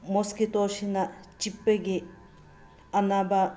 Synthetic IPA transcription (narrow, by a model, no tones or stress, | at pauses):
moskit̪oʃinat͡ʃipːeɡi | ɐnaba